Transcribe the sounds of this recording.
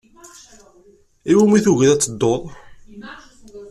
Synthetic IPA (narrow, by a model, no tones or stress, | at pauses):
iwimiθuʝəðæt͡sːəd̪ːoðˤ